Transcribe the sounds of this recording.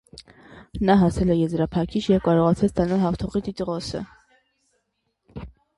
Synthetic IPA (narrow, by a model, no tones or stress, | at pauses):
nɑɦɑsɛlɛjɛzɾɑpʰɑkʰit͡ʃʰjɛvkɑɾɔʁɑt͡sʰɑt͡sʰt̪ɑnɑlɦɑft̪ʰɔʁit̪it̪əʁɔsə̰